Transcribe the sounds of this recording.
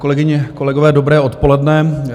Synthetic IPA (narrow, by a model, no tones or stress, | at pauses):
kolɛɡɪɲɛko̞lɛɡovɛːdo̞bɾɛːo̞t̪po̞lɛdnɛ